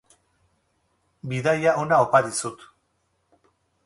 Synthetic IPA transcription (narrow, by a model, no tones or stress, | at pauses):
biðajaʔonaopaðisut̪